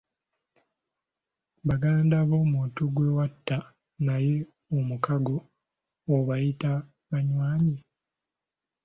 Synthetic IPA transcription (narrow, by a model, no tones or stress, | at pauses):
βaɡaːndaβo̞ːmuːtuɡwe̞watːa | naje̞ | omukaɡo̞ː | βajita | βaɲwaːɲi